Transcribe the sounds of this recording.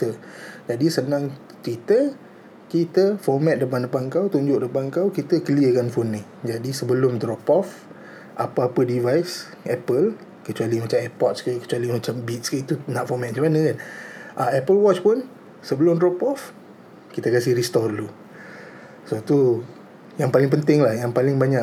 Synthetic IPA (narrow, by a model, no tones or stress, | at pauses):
t̪əd͡ʒadisənãŋ | t̪wit̪ə | kit̪əfɔmɛt̪̚dəp̬andəpankawt̪uɲd͡ʒʊʔdəpankawkit̪əkəliəkanfonːi | d͡ʒadisəbəlʊmd̪ɾɔpɔf | ʔa̰paapədivajs | ɛpəl | kət͡ʃualimat͡ʃamɛpɔt̪̚skəkə̥t͡ʃualimat͡ʃambit̪̚skəit̪unaʔfɔmɛt̪̚at͡ʃamanəkanʔaɛpəlwɔt͡ʃpʊn | səbəlʊmdɾɔpɔf | kit̪əkas̬ɪhɾist̪ɔdulu | sot̪u | jaŋpalɪŋp̬ənt̪ɪŋlahjaŋpalɪŋbaɲaʔ